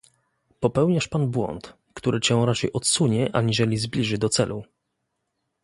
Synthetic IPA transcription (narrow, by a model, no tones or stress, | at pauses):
pɔpɛwɲaʂpanbwɔ̰nt̪ | kt̪uɾɘt͡ɕɛ̃w̃ɾat͡ʂɛjʔɔt̪suɲɛʔaɲiʐɛlʲizblʲiʐɘd̪ɔt̪sɛlʔu